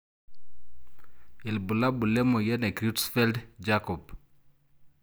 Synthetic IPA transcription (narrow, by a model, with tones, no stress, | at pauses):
i˨lbu˨la˦bu˨lɛ˦mo˨jɛ˦nɛ˨kɾi˦tsfɛ˦ldd͡ʒakɔp̚